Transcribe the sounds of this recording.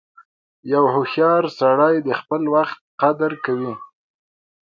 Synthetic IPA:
jawhʊxjɑɾsaɽɑjd̪əxpəlwaxt̪̚qad̪əɾkawi

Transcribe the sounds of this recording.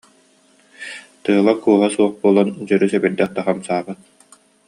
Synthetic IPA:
t̪ɯɦɯlˠakuːɦasuɔχbuɔlˠand͡ʑœɾysɛbɛɾd̪ɛχt̪ːaχamsaːbɯt̪̚

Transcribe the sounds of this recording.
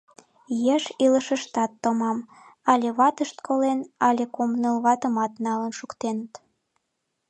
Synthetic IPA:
jeʃiləʃəʃt̪ɑt̪ːomɑm | ɑlʲeβɑt̪əʃt̪kʰolenɑlʲekomnəlβɑt̪əmɑt̪nɑlənʃukt̪enət̪

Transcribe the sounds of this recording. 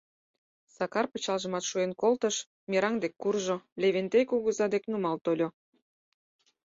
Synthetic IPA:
sɑkɑrpət͡ɕɑlʒə̆mɑt̪ʃuenkolt̪əʃ | mʲeɾɑŋd̪ekːurʒolʲeβent̪ekuɣəzɑd̪eknumɑlt̪olʲo

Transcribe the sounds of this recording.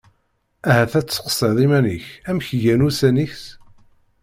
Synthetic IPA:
æhæθæt͡sːə̥qsˤeðˤimæniçæmçʝænusæniçs

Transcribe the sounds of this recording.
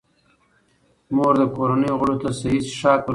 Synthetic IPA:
moɾd̪əkoɾanəjoɣəɽot̪asaisʃɑːkə

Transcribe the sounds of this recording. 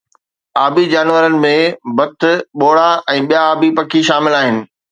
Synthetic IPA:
aːbid͡ʑaːnʋəɾənɪ̆mẽbɐt̪ʰʊ̆ɓoːɽaɛ̃ːɓijaːbipɐkʰiʃaːmɪlaːɦɪnɪ̆

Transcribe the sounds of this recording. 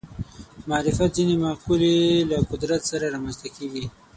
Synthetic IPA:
mɑːɾɪfat̪zinemaqulelakʊd̪ɾat̪saɾaɾɑmanst̪akeɡi

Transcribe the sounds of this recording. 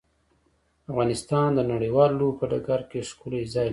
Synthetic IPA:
afɣɑnɪst̪ɑnd̪ənaɽijwɑlːobpəɖaɡaɾkeʂkulazɑj

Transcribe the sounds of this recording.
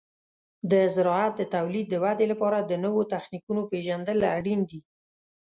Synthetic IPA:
d̪əzɪɾɑat̪̚d̪ət̪awlid̪ːəwad̪elapɑɾad̪ənəwot̪axnikunopeʒand̪əlaɽind̪i

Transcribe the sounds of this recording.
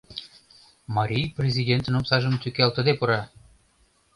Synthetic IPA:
mɑɾʲijprʲezʲidʲent̪nomsɑʒə̆mt̪ʲykelt̪ə̆d̪epuɾɑ

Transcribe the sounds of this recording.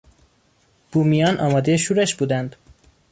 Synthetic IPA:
b̥uːmijɒːnʔɒːmɒːd̪e̞jeʃuːɾeʃbuːd̪ænd̪

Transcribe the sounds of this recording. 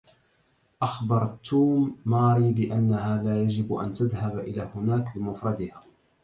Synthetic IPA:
ʔaxbɑɾˤt̪ʰːuːmːɑːɾiːbɪʔanːahaːlaːjad͡ʒɪbʔa̰nt̪aðhabʔɪ̰laːhʊnaːkbɪmʊfɾˤɑd̪ɪhaː

